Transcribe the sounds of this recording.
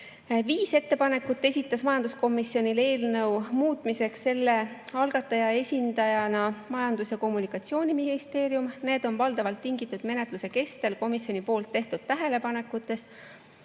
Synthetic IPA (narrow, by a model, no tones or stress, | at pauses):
viːse̞t̪ːe̞pɑne̞kːˑut̪ˑːe̞sʲit̪ːˑɑsmɑjɑnd̪̥usko̞mːisio̞nʲile̞ːlnɤwmuːt̪ˑmise̞ksse̞lːe̞ɑlɡ̥ɑt̪ːˑɑjɑe̞sʲind̪̥ɑjɑnɑmɑjɑnd̪̥usjɑko̞mːunikːˑɑt̪sio̞ːnʲiminist̪e̞ːɾjumne̞ːd̪̥o̞nvɑld̪ɑvɑlt̪ːiŋɡit̪ˑːud̪̥me̞ne̞t̪luse̞ke̞st̪elko̞misjo̞nʲipo̞ːlt̪ːe̞ht̪ud̪̥̚t̪æɦe̞le̞pɑne̞kːˑut̪ːˑe̞s